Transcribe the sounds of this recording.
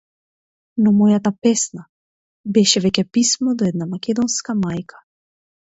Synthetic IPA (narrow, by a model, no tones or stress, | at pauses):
nɔmɔjat̪apɛsna | bɛʃɛvɛcɛpismɔd̪ɔɛd̪namakʲɛd̪ɔnskamajkʰḁ